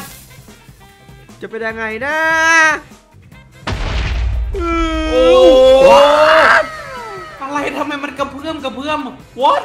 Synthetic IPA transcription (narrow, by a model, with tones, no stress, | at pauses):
t͡ɕa˨˩pe˧nja˧ŋːa˧˩jnaː˧˥ | ɯː˧˩˧ | ʔa˧ɾa˧jt̪ʰa˧mha˧˩jma˧˨nka˧˩pʰɯ˧˩əmka˧˩pʰɯ˧˥əm | wɔ˦˥